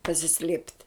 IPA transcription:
pɐsʲɪˈsʲlʲeːpʲtʲ

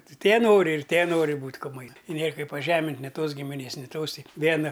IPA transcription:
ˈtʲɪ tʲiɛ ˈnoːrʲɪ ɪr ˈtʲiɛ ˈnoːrʲɪ ˈbuːtʲ kʊˈmɐɪ ɪ nʲeːr ˈkɐɪp pɐˈʒʲæːmʲɪnʲtʲ nʲɪ ˈtoːs ɡʲɪmʲɪˈnʲeːs nʲɪ ˈtoːs ˈtʲɪ ˈʋʲiɛnɐ

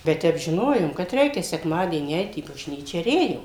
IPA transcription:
bʲɛt ˈtʲɛp ʒʲɪˈnoːjoːm kɐt ˈrʲɛɪkʲɛ sʲɛkˈmɑːdʲiɛnʲiː ˈɛɪt iː bɐʒʲˈnʲiːt͡ʃʲɛ ɪr ˈeːjoːm

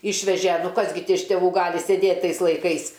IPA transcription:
ˈɪʃʲʋʲɛʒʲɛ ˈnʊ ˈkɐs ɡʲɪ tʲɪ ɪʃ tʲɛˈʋuː ˈɡɑːlʲɪ sʲɛˈdʲeːtʲ ˈtɐɪs lˠɐɪˈkɐɪs

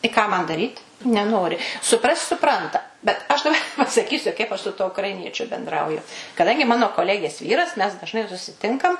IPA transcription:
ɪ ˈkɑː mɐn dɐˈrʲiːt nʲɛˈnoːrʲɪ sʊˈprɐsʲtʲ sʊˈprɐntɐ bʲɛt ɐʃ dɐˈbɐ pɐsɐˈkʲiːsʲʊ kɐɪp ˈɐʃ sʊ ˈtuɔ ʊkrɐɪˈnʲiɛt͡ʃʲʊ bʲɛnˈdrɐʊjʊ kɐˈdɐŋʲɡʲɪ ˈmɑːnoː koːˈlʲæːɡʲeːs ˈʋʲiːrɐs mʲɛs dɐʒˈnɐɪ sʊsʲɪˈtʲɪŋkɐm

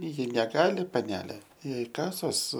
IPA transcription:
ˈjɪ nʲɛˈɡɑːlʲɪ pɐˈnʲæːlʲeː ˈjɛɪ ˈkɑːsoːs

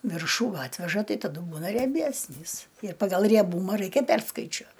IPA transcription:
ˈʋʲɪrʃuː ˈɑːtʲʋʲɛʒɐ ˈtɐɪ tɐˈdʊ ˈbuːnɐ rʲiɛˈbʲæsʲnʲiːs ɪr pɐɡɐlˠ rʲiɛˈbuːmɐ ˈrɐɪkʲɛ ˈpʲɛrskɐɪt͡ʃʲuɔ

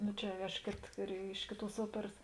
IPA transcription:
ˈnʊ t͡ʃʲɛ ɐʃ ˈkʲeːt rʲɛ ˈɪʃ kʲeːˌtuɔs ˈuɔpʲɛrɐs

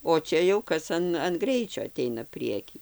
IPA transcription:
oː ˈt͡ʃʲɛ jɛʊ ˈkɐs ɐn ɐn ˈɡrʲɛɪt͡ʃʲoː ɐˈtʲɛɪnɐ ˈpʲrʲiɛkʲiː

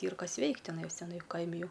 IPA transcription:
ˈiːr ˈkɐs ˈʋʲɛɪktʲ tʲɪˈnɑːjoːs tʲɛˈnɐɪ ˈkɐɪmʲɪ ˈjɛʊ

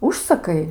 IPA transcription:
ˈʊʃsɐkɐɪ

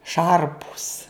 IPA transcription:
ˈʃɐrpʊs

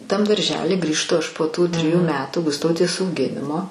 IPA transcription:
tɐm dɐrʲˈʒʲæːlʲiː ɡrʲiːʃˈtʊ ˈɐʃ poː ˈtuː tʲrʲɪˈjuː ˈmʲæːtuː ɡʊsˈtɐʊtʲeːs ɐʊˈɡʲɪnʲɪmoː

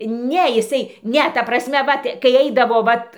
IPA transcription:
ˈnʲɛ ɪˈsɐɪ ˈnʲɛ ˈtɐ prɐsʲˈmʲɛ ˈʋɐt kɐɪ ˈɛɪdɐʋoː ˈʋɐt

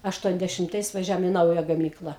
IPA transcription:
ɐʃˌtuɔnʲdʲɛʃʲɪmˈtɐɪs ʋɐˈʒʲæːʋoːm ɪ ˈnɐʊjɛ ɡɐˈmʲiːklˠɐ

